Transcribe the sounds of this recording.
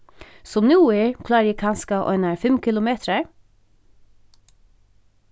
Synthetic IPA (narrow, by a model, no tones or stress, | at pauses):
sɔmnuːɪɹkʰlɑːɾjiːkʰɑnskɑːʔɔ̰ʏnəɹfɛmkʰɪlʊmeːt̪ʰɾəɹ